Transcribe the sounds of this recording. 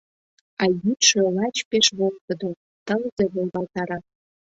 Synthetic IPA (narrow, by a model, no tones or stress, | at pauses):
ɑjyt̪ʃelɑt͡ɕpeʃβok̚t̪ə̆d̪o | t̪əlzeβolβɑlt̪ɑɾɑ